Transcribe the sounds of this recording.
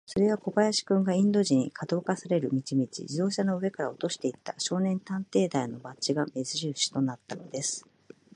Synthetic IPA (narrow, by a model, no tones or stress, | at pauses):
so̞ɾe̞βako̞bajaɕi̥kɯ̟̃ŋɡaĩnd̪o̞ʑiɲ̟ikʰad̪o̞ːkasaɾe̞ɾɯ̟mʲit͡ɕimʲit͡ɕḭd͡ʑid̪o̞ːɕano̞ɯ̟e̞kaɾao̞t̪o̞ɕi̥t̪e̞it̪ːaɕo̞ːnẽ̞nt̪ãnt̪e̞ːd̪aino̞bat͡ɕiɡame̞zɨʑɨːɕi̥t̪o̞nat̪ːanod̪e̞sɨ̥